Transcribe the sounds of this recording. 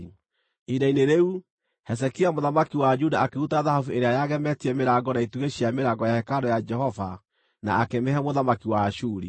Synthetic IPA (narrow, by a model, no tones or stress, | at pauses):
idaineɾeu | hɛs̬ɛkiamoðamakiwad͡ʒudaakeutaðahavueɾeajaɣɛmɛtiɾɛmeɾaɡɔnaituɣeɕiameɾaɡɔjahɛkaɾɔjad͡ʒɛhɔva | na̰akemeɦɛmoðamakiwaʃuɾi